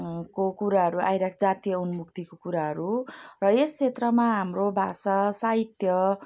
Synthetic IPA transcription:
kokuɾaɦʌɾua̰jɾakʰd͡zat̪ijʌunmuk̚t̪ikokuɾaɦʌɾurʌest͡sʰet̪rʌmaɦamrobʱa̰sasaɦit̪jʌ

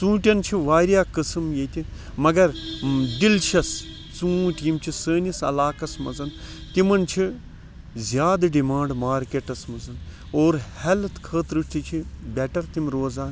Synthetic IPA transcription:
t͡sũːʈʲjɐnt͡ʃʰiʋaːɾjaːkɨsɨmjet̪ʲi | mɐɡɐɾd̪ilʃɐs | t͡sũːʈʲiːmt͡ʃʰisəːnisɐ̰laːkɐsmɐzɐnt̪imɐnt͡ʃʰi | zʲjaːd̪ɖimãːɳɖmaːɾkʲeʈɐsmɐzɐn | oːɾhɛlt̪ʰkʰəːt̪ɾɨʃt̪it͡ʃʰibʲɛʈɐɾt̪imɾoːzaːn

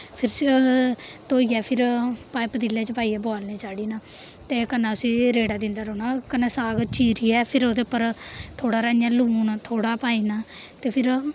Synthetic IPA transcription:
pʰɪɾs | t̪oːiːɛːpʰɪɾpaːepəd̪ɪlːeːt͡ʃpaːiːɛːboaːlneːt͡ʃaːɽiːnaːt̪eːkənãːʊsĩːɾeːɽaːd̪ɪ̃nd̪aːɾoːnaːkənãːsaːɡt͡ʃʰiːɾiːɛːpʰɪɾoːd̪epːəɾt̪ʰoːɽaːɾaːjãːluːnt̪ʰoːɽaːpaːiːnaːt̪eːpʰɪɾ

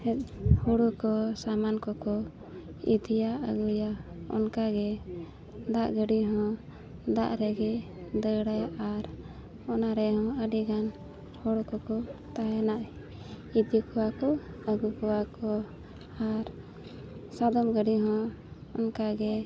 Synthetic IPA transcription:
hɛt̪̚huɽukɔsamankɔkɔ | ḭd̪ijaəɡujaɔ̰nkaɡɛ | d̪aʔɡəɖiɦɔ̃ | d̪a̰ʔɾɛɡɛ | d̪əɽajʔaɾ | ɔnaɾɛhɔ̃əɖiɡan | hɔɽɔkɔkɔt̪aɦɛnaʔ | id̪ikɔwakɔ | əɡukɔwakɔ | aɾ | sad̪ɔmɡəɖiɦɔ̃ː | nkaɡɛ

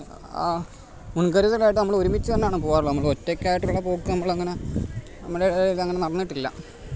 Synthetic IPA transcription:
a̰ː | munkɐɾuðlaːjiʈ̬ːnɐmːɐɭoɾumit͡ɕːuðɐnːejaːɳɨpoːɣaːrɭonmːɐɭotːekʲːaːjiʈːuɭːɐpoːkːɨnɐmːɐɭɐŋːɐne | nɐmːɐɭeɐŋːɐnemɐrɐnːiʈːilːɐ̰

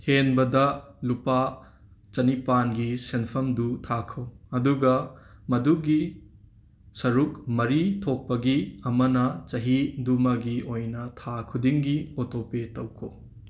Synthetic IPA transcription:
henbɐdɐlupa | t͡ʃɐnipanɡisenpʰɐmdutʰakʰɐwɐduɡɐmɐduɡi | sɐɾukmɐɾitʰok̚pːɐɡiɐmɐnɐt͡ʃɐɦidumɐɡiojnɐtʰakʰudiŋɡiotʰopetɐwkʰo

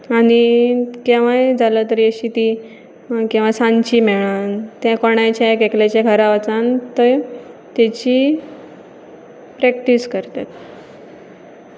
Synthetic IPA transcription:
añikaʋ̤ajd͡zalət̪əɾəɕiːt̪i | kĩw̃ʋasãɲt͡ɕimeɭant̪jãkɔɳjat͡ɕakeklat͡ɕjaɡʱəɾaʋat͡sant̪əɾt̪jat͡ɕiː | pɾɛk̚ʈiskəɾt̪at̪̚

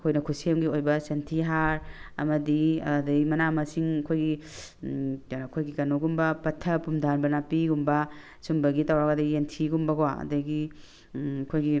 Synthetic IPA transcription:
ɐkʰojnɐkʰusiemɡiojbɐsentʰiɦaɾɐ̰mɐdiɐ̰dɐɡimɐnamɐsiŋɐkʰojɡi | akʰojɡikɐnuɡumbɐpɐtʰɐpumdʱanbɐnapiɡumbɐ | sumbɐɡitawɾaɡadɐientʰiɡumbɐɡowaɐ̰dɐɡi | kʰojɡi

